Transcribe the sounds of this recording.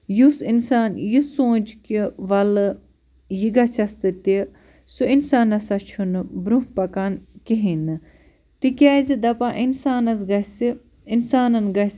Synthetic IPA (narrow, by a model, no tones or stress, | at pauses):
jusinsaːnjisõːd͡ʒkiʋɐl | jiɡɐt͡sʰɐst̪ɨt̪i | suinsaːnɐsɐt͡ʃʰunbɾuɦpɐkankiɦinɨ | t̪ikʲaːzid̪ɐpaːʔinsaːnɐs̬ɡɐsi | insaːnɐnɡɐs